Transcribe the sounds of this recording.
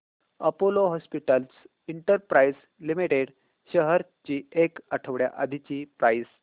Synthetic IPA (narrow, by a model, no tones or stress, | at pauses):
ə̰poloɦɔspiʈəls | iɳʈəɾpɾajs | limiʈeɽ | ɕəɦəɾt͡ɕiːekəʈʰəʋɽja̰ʔad̪ʱit͡ɕiːpɾajs